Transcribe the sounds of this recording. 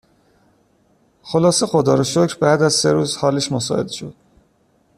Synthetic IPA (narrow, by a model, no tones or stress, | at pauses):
xolɒːse̞xod̪ɒːɾoʃocʰɾbæːd̪æzseɾuːzhɒːleʃmosɒ̰e̞d̪ʃo̞̰d̪̥